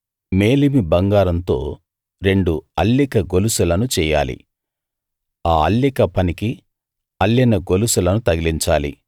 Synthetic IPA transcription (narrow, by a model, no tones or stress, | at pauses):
meːlimibɐŋɡaːɾɐnt̪o̞̰ː | ɾe̞ɳɖuɐlːikɐɡolusulɐnut͡ʃɛːja̰ːlḭ | aːɐlːikɐpɐniki | ɐlːinɐɡolusulɐnut̪ɐɡiliɲt͡ʃaːlḭ